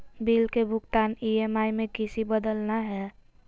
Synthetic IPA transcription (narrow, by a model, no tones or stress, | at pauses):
biːlkebʱʊɡt̪aːniemaːimẽkɪsibəd̪əlnaɦɛː